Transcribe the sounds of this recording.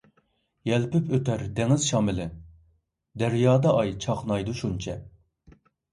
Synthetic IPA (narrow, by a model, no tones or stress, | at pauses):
jɛlpypʰøt̪æɾd̪ɛŋɪzʃɑːmɪlɪ | d̪æɾjɑːd̪ɑʔɑjt͡ʃʰɑqnɑjd̪uʃunt͡ʃʰɛ